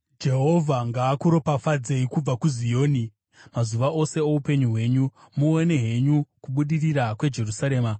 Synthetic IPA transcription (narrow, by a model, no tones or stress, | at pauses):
d͡ʒe̞ɦo̞vʱaŋɡaːkuɾo̞pafad͡ze̞ikub͡vakuzijo̞ːni | mazuʋaʔo̞se̞oupe̞ɲuɦwe̞ːɲu | muene̞ɦe̞ɲukuɓuɗirirakwe̞d͡ʒe̞rusaɾe̞ːma